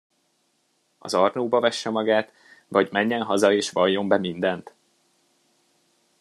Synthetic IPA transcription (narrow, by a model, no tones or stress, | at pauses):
ɒ̰zɒrnoːbɒvɛʃːɛmɒɡaːt̪ | vɒɟmɛɲːɛnɦɒzɒeːʃʋɒjːo̞mbɛmind̪ɛnt̪